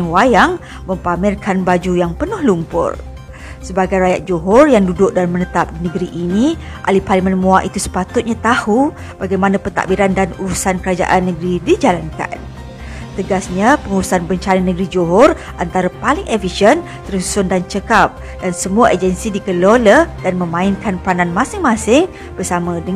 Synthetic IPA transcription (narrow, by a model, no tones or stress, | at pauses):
wajaŋ | məmpamɪrkʰanbad͡ʒujaŋpənʊhlumpʊ̰r | səbaɡajɾajat̪̚d͡ʒoɦɔrjaŋdudʊk̚dalamənət̪ap̚dinəɡɾiʔːniʔa̰liparlimə̃nmuaʔit̪usə̥pat̪ʊt̪̚ɲat̪ahu | b̥aɡajmanapət̪a̰ʔbiɾandanuɾusankəɾad͡ʒa̰ʔanːəɡɾidid͡ʒalanka̰n | t̪əɡasɲapəŋuɾusanbəɲt͡ʃananəɡɾid͡ʒoɦɔr | ʔant̪aɾapalɪŋʔɛfiʃən | t̪ərsu̥sʊndant͡ʃəkap̚ | dansəmuaʔəd͡ʒənsidikəlolədanmə̃mãɪnkanpəɾanãnmãsɪŋmãsɪŋ | b̥ərsamə̃də